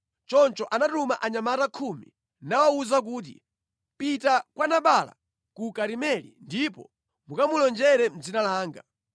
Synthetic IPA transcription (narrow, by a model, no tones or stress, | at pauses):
t͡ʃɔnt͡ʃɔʔanatumaʔaɲamatakʰumḭ | nawauzak̬uːt̬ḭ | pitakwanaɓala̰ | kukaɾimɛlḭndipɔ̰ | mukamulɔnd͡ʒɛɾɛm̩d͡zinalaːŋɡa